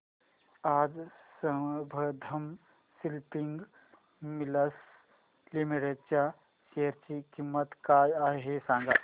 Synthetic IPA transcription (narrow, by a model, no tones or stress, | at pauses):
aːd͡zsəbʱəd̪ʱəm | silpiŋɡ | miləs | limiɾet̪̚t͡ɕa | ʃeəɾt͡ʃikimːət̪kaːjaɦesãŋɡa